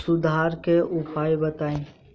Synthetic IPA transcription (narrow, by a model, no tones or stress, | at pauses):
sʊd̪ʱaːɾkeʔʊpʰaːjbət̪aːĩː